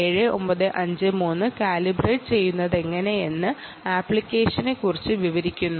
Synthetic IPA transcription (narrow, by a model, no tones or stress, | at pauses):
eːɻɨo̞̰mbɐðɨʔɐɲd͡ʑɨmuːnːɨkaːlibreːʈt͡ɕe̞jːunːɐðe̞ŋːɐne̞je̞nːɨ | aːpːɭikʲːe̞ːʂɐnekːurit͡ɕːɨʋiʋɐɾikʲːunːu